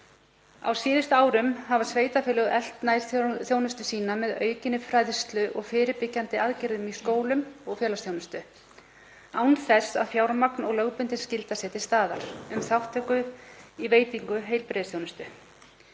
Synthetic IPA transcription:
a̰wsiːðɪst̪aːwɾʏmhavḁsveːjt̪afɪːlʏɣʔɛl̥t̪najlθθjownʏst̪ʏsiːnamɛðœːɥcɪnɪfɾajðst̪lʏʔɔɣfɪːɾɪɾpɪcːant̪ɪaðcɪɾðʏmiskoːwlʏmɔɣfjœːlasθjownʏst̪ʏ | awnθɛsa̰ðfjawɾmaknɔɣlœɣpʏnt̪ɪn̥scɪlt̪asɛːt̪ɪ̥st̪aːðaɾ̥ʏmθawht̪ʰːɛkʏiveːjt̪iŋkʏɦeːjlpɾɛːðɪsθjownʏst̪ʏ

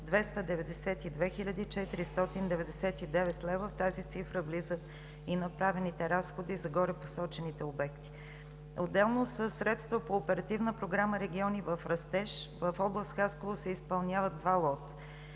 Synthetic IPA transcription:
d̪vɛst̪əd̪ɛvɛd̪ɛsɛt̪id̪vɛxiʎʲəd̪iːt͡ʃɛt̪iɾist̪ɔt̪ind̪ɛvɛd̪ɛsɛt̪id̪ɛvɛt̪lɛvəft̪azit̪sifɾəvlizət̪ | inɐpɾavɛnit̪ɛɾasxod̪izɐɡɔɾɛposɔt͡ʃɛnit̪ɛobɛkt̪i̥ | od̪ːɛlˠnosəsːɾɛt̪st̪vəpoːpɛɾɐt̪ivnəpɾoɡɾaməɾɛɡʲiɔnivəfɾɐst̪ɛʃvəfɔblˠəst̪xaskovosɛispɐlˠnʲjavəd̪̚d̪valˠɔt̪ə̥

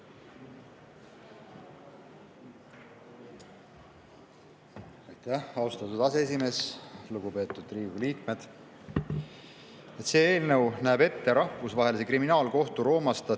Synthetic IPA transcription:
ɑjt̪æhɑwst̪ɑt̪ud̪̥ɑsee̞s̬ʲime̞ːsluɡupe̞ːt̪ːˑud̪̥riːvliːkme̞d̪̥ | et̪se̞ːeːlnɤwnæːb̥e̞t̪ːe̞ɾɑhfusvɑɦe̞lise̞kriminɑːlko̞ht̪uɾo̞ːmɑst̪ɑ

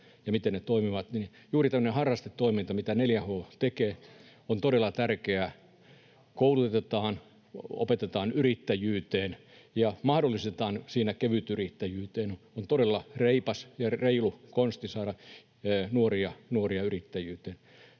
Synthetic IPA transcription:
jɑmit̪ennet̪oimiʋɑt̪ni | juːrit̪æmːø̆nehɑrːɑst̪et̪ːoimint̪ɑmit̪æneljæhoːt̪ekeː | ont̪oɾelːˑɑt̪ærkeæ | koulut̪t̪et̪ɑːn | o̰pet̪et̪ɑːnyrit̪ːæjyːt̪eːn | jɑmɑhdolːˑist̪et̪ɑːnsiːnækeʋyt̪yrit̪ːæjyːt̪eːnont̪oɾelːɑreipɑsjɑreilukonst̪isɑːɾɑ | nuoriɑnuoriɑyrit̪ːæjyːt̪eːn

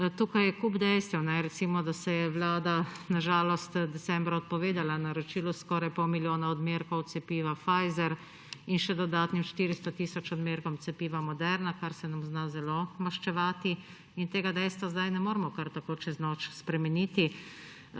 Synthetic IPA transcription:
t̪uːkajɛkuːbd̪ɛjst̪ʋɛwnɛɾɛt̪siːmɔd̪asɛjɛʋlaːd̪anaʒaːlɔst̪d̪ɛsɛmbɾaɔt̪̚pɔʋeːd̪alanaɾɔt͡ʃiːluskɔːɾajpɔwmiljoːnaɔd̪meːɾkɔwt̪sɛpiːʋafaːjzɛɾ | inʃɛd̪ɔd̪aːt̪nimʃt̪iːɾist̪ɔt̪iːsɔt͡ʃɔd̪meːɾkɔmt̪sɛpiːʋamɔd̪ɛɾnakaɾsɛnamznazɛlomaʃt͡ʃɛʋaːt̪i | int̪eːɡad̪ɛjst̪ʋazd̪ajnɛmoːɾmɔkaɾt̪akoːt͡ʃɛznɔt͡ʃspɾɛmɛniːt̪i

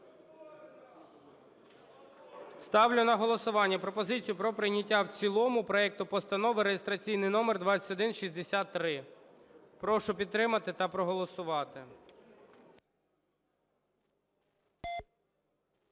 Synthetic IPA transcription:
st̪ɑwlʲʊnɐɦɔlˠɔsʊʋɑnʲːɐpɾɔpɔzɪt͡sʲijʊpɾɔpɾɪjnʲɐtʲːawt͡sʲilˠɔmʊpɾɔɛk̚t̪ʊpɔst̪ɐnɔʋɪɾejest̪ɾɐt͡sʲijnɪjnɔmɛrd̪ʋɑt͡sʲɐ̥tʲɔd̪ɪnʃizʲd̪esʲat̪ːɾɪ | pɾɔʃʊpʲid̪̚t̪ːɾɪmɐt̪ɪt̪ɐpɾɔɦɔlˠɔsʊʋɑt̪ɪ

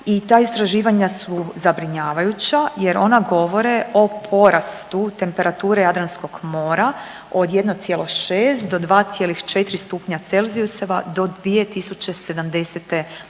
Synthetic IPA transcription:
it̪aːist̪ɾaʒiːʋaɲasuzabɾiɲaːʋajut͡ɕaje̞ɾʔo̞naɡo̞ʋo̞ɾeʔo̞pʰo̞ɾʔast̪ut̪e̞mpe̞ɾat̪uːɾe̞jad̪ɾansko̞ɡmo̞ːɾa | o̞d̪je̞d̪notsjeloʃeːst̪d̪o̞d̪ʋaːt̪sjelixt͡ʃe̞t̪ɾist̪upɲat̪se̞lˠziuseʋad̪o̞d̪ʋije̞t̪isut͡ɕe̞se̞d̪amd̪e̞set̪e

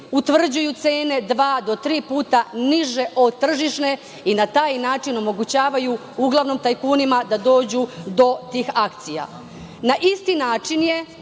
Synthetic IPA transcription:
ut̪ʋr̩d͡ʑujut̪seːne̞d̪ʋaːd̪o̞t̪ɾiːpuːt̪aniʒe̞ʔo̞d̪̚t̪ːr̩ʒiʃne̞ | inat̪aːjnaːt͡ʃino̞mo̞ɡut͡ɕaːʋaju | uɡlˠaʋno̞mt̪ajkuːnimad̪ad̪o̞ːd͡ʑud̪o̞t̪iːxak̚t̪sija̰ | naʔist̪inaːt͡ʃinje̞

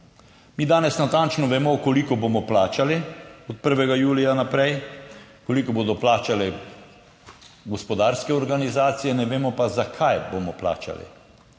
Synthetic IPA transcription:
miːd̪aːnɛsnat̪ant͡ʃnɔʋɛmɔkɔlikɔboːmɔplaːt͡ʃaliɔt̪̚pəɾʋɛɡajuːlijanapɾɛjkolikɔboːd̪ɔplaːt͡ʃalɛ | ɡɔspɔd̪aːɾskɛɔɾɡanizaːt̪sijɛnɛʋeːmɔpazakʰajbomɔpla̰ːt͡ʃa̰lḭ

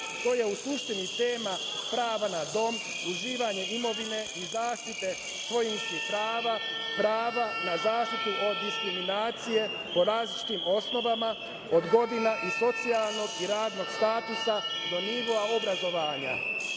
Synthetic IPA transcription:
t̪o̞ːje̞usuʃt̪init̪e̞ːma | pɾaːʋanad̪o̞m | uziːʋaɲe̞imo̞ʋine̞izaːʃt̪it̪e̞ | sʋo̞jinskipɾaːʋapɾaːʋanazaːʃt̪it̪uʔo̞d̪iskɾiminaːt̪sije̞ | po̞ɾaːzlit͡ʃi̥t̪imo̞sno̞ʋama | od̪ɡo̞d̪inaʔiso̞t̪sialˠno̞ɡiɾaːd̪no̞ɡst̪aːt̪usad̪o̞niʋo̞aobɾazo̞ʋaːɲa̰

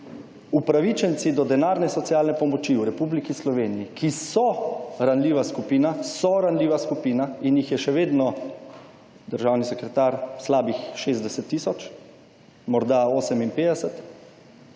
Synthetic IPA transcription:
upɾaʋit͡ʃɛnt̪sid̪ɔd̪ɛnaːɾnɛsɔt̪sjaːlnɛpɔmɔt͡ʃiwɾɛpublikislɔʋeːnijikʰisɔɾanliʋaskupiːnasɔɾanliːʋaskupiːnainjixjɛʃɛʋeːd̪nɔ | d̪əɾʒawnisɛkɾɛt̪aɾslaːbixʃezd̪ɛsɛt̪ːisɔt͡ʃ | mɔɾd̪aoːsɛminpeːd̪ɛsɛt̪

